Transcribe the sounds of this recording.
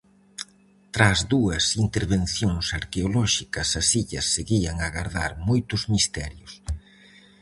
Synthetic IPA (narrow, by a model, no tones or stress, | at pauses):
t̪ɾazðuɐsint̪eɾβẽnθjoŋsaɾkeolɔʃikɐsɐsiʎɐsːeɣiɐŋaɣaɾða̰ɾmojt̪ʊzmist̪ɛ̰ɾjʊs